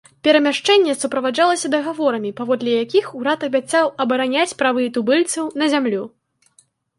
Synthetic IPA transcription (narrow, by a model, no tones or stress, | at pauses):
pʲɛɾɐmʲaʂt͡ʂɛnʲːɛsupɾɐvad͡ʐalˠɐsʲɐd̪ɐɣavɔɾɐmʲipavɔd̪lʲɛjakʲixuɾat̪ɐbʲat̪sawɐbɐɾanʲat͡sʲpɾavɨit̪ubɨlʲt̪sɐwnɐzʲamlʲu